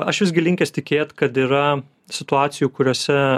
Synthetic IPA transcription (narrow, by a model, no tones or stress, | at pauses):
ɐʃʋʲɪsʲɡʲɪlʲɪŋʲkʲeːsʲt̪ʲɪkʲeːt̪kɐt̪iːɾɐ | sʲɪt̪ʊɑːt̪sʲɪjukʊɾʲoːsʲɛ